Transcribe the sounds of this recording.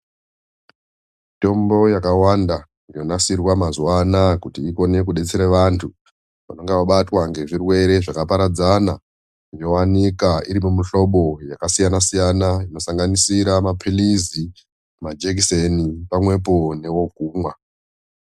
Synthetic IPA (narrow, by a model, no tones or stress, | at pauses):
mmito̞mbo̞jakawanda | ino̞nasirwamazuwanakutiːko̞ne̞kuɗe̞t͡seɾeʋantʰu | ʋa̰no̞ŋɡewaɓatwaŋɡe̞ʐirwe̞ɾe̞ʐakapaɾad͡zana | ino̞wanikaiɾimumiɬo̞ɓo̞jakasijanasijanaino̞saŋɡanisiɾamapʰilizi | mad͡ʒek̬isenipamwe̞p̬o̞ne̞wo̞kuːmwa